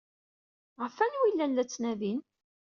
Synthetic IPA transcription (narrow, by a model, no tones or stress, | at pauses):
ʁəfænwilːænːæt͡sːnæðin